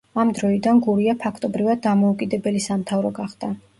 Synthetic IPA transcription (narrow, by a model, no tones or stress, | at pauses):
amd̪ɾɔid̪anɡuɾiapʰakʰt̪ʼɔbɾivad̪̚ːamɔukʼid̪ɛbɛlisamt̪ʰavɾɔɡaχd̪̥a